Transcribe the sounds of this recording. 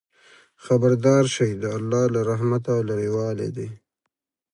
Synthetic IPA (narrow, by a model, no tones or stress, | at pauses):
xabəɾd̪ɑːɾʃajd̪əalːɑːlaɾaɦmat̪awlaɾewɑːlḛd̪e